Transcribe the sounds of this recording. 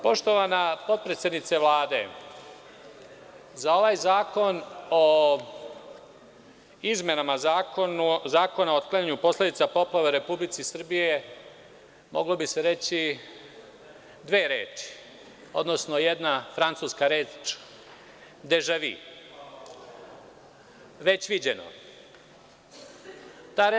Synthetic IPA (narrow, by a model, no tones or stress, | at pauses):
po̞ʃt̪o̞ʋanapo̞t̪̚pɾet̪sed̪nit̪seʋlaːd̪e̞̰ | zao̞ʋaːjzaːko̞no | izme̞namazakonuzaːko̞naoot̪̚klˠaɲaɲupo̞sled̪it̪sapo̞plˠaʋeɾe̞publit̪sisr̩bije̞ | mo̞ɡlobise̞ɾe̞t͡ɕi | d̪ʋeːɾe̞ːt͡ʃi̥ | o̞̰d̪no̞sno̞jed̪nafɾant̪suskaɾeːt͡ʃ | d̪eʒaʋḭ | ʋe̞t͡ɕʋid͡ʑe̞no̰ | t̪a